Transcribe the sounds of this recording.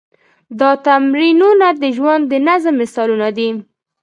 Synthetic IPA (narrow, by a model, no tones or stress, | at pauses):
d̪ɑt̪amɾinunad̪əʒwand̪d̪ːənazəmːɪsɑlunad̪i